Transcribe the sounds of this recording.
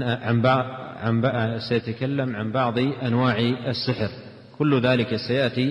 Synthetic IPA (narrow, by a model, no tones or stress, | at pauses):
ʕanbansajat̪akalːamʕanbɑʕðˤʔanwaːʕasːɪħɾ | kʊlːðaːlɪkasajaʔt̪i